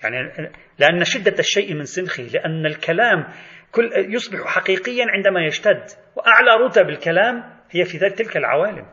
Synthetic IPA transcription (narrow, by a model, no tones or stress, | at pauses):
ja̰ʕni | lɪʔanːaʃɪd̪ːaʃːajʔmɪnsˤɪnxilɪʔanːalkalaːmkʊljʊsˤbɪħħaqiːqɪjːanʕɪnd̪amajad͡ʒt̪ad̪ː | wɪʔaʕlaɾˤʊt̪abɪlkalaːm | hɪjːafiðaːlɪk̚t̪ɪlkalʕa̰waːlɪ̰m